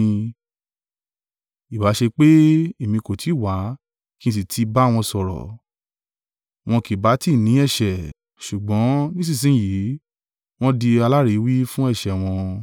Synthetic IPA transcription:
i˨wa˨˦ʃe˧k͡pe˦i˨mĩ˧ko˨tʰi˨˦˨wa˨˦ | kĩ˦˨s̬i˨tʰi˧˦ba˦˨w̃ɔ̃˧sɔ˨ɾɔ̰˨ | w̃ɔ̃˧ki˨ba˨˦ti˦˨nĩ˨˦ɛ˦˨ʃɛ˨ | ʃu˨ɡ͡bɔ̃˨˦nĩ˦s̬ĩ˦˨s̬ĩ˨˦˨ji˨˦ | w̃ɔ̃˦di˧a˧la˦ɾi˨˦wi˦fũ˦ɛ˦˨ʃɛ˨w̃ɔ̃˧

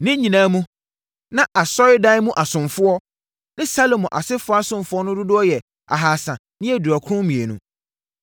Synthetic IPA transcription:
nɪ̃˦ɲĩ˨nã˨˦mũ˦ | nã˦ʔa˨sɔ˦ɪ˦da˦ɪ˦mũ˦ʔa˨sʊ̃˨mfʊ˦ɔ˦ | nɪ̃˦sa˦lo˨mɔ̃˨ʔa̰˨sɪ˦fʊ˦a˦sʊ̃˨mfʊ˦ɔ˦nʊ̃˦dʊ˦dʊ˦ɔ˦jɛ˨ | a̰˨ɦaː˨sã˨ | nɪ̃˦ɛ˨du˨a˨kʰʊ˦ʊ̃˦mĩ˨e˨nṵ̃˦

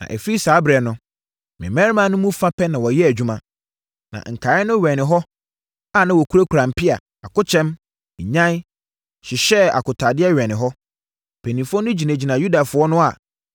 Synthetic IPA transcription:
nã̰˨ʔɛ˨fi˦ɾi˦saː˨˦bɾɛ˨nʊ̃˦ | mɪ̰̃˨mɛ̃˦ɾmã˦nʊ̃˦mũ˦fã˦pʰɛ˦nã˨wɔ˨jɛ˦æ˨d͡ʑᶣu˦mã˦ | nã̰˨ŋ̩˨kʰa˨˦ɪ˦nʊ̃˦ɥɛ˨nɪ̃˨ɦɔ˦ | a˨nã˨wɔ˨kʰu˦ɾa˦kʰu˨ɾã˨m̩˨pʰɪ˦a̰˨ | a˨kʊ˦t͡ɕʰɛ̃˦m̩˨ | ɲã˦ | ɕɪ˨ɕɛ˦a̰˨kʊ˨tʰa˨dɪ˦ɛ˦ɥɛ˨nɪ̃˨ɦɔ˦ | pʰɛ˨nĩ˨fʊ˦ɔ˦nʊ̃˦d͡ʑi˨næ̃˨d͡ʑi˨nã˨ju˦da˨fʊ˨˦ɔ˦nʊ̃˦a˨

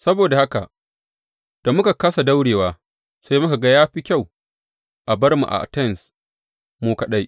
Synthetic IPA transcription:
sɐ˦boː˨da˨ha˦ka˨ʔ | d̥a˨mʊ˦ka˨kɐ˦sa˨da˦wɽeː˨waː˦ | sa˦jmʊ˦ka˨ɡa˦jaː˦ɸi˦kʲa˦˨w | ʔa˨bɐ˦rmṵ˨ʔa̰˨ʔa̰˨tɛ˦˨ns | moː˦ka˨ɗa˦j

